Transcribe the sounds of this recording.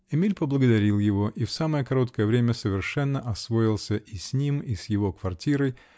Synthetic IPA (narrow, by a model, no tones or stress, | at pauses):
ɛmʲilʲpəblˠəɡəd̪ɐɾʲilˠjɪvo̞ʔifsaməjəkɐɾo̞t̪kəjəvɾʲemʲəsəvʲɪrʂɛnːəʔɐsvo̞ɪlˠsʲəʔisʲnʲimisjɪvokvɐrtʲiɾəj